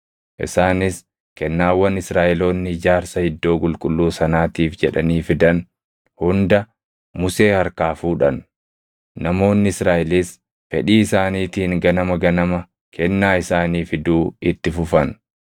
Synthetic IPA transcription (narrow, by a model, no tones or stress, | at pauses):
ʔɪ̰saːnɪs | kɛnːaːwːɐnɪsɾaːʔɛlo̞ːnːɪɪd͡ʒaːɾsɐhɪd̪ːo̞ːkʼʊlkʼʊlːuːsɐnaːt̪iːfd͡ʒɛᶑɐ̰niːfɪd̪ɐn | hʊnd̪ɐ | mʊse̞ːhɐɾkaːfuːᶑɐ̰n | nɐmo̞ːnːɪɪsɾaːʔɪlis | fɛᶑiːɪsaːniːt̪iːŋɡɐnɐmɐɡɐnɐmɐ | kʰɛnːaːɪsaːniːfɪd̪uːɪt̪ːɪfʊfɐn